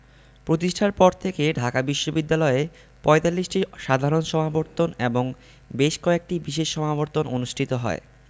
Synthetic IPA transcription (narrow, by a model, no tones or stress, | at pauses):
pɾot̪iʃʈʰaɾpɔɾt̪ʰekeɖʱakabiʃːobid̪ːalɔe | pɔet̪alːiʃʈiʃad̪ʱaɾonʃɔmaboɾt̪ːoneboŋ | beʃkɔek̚ʈibiʃeʃːɔmaboɾt̪onʔonuʃʈʰit̪oɦɔ̰e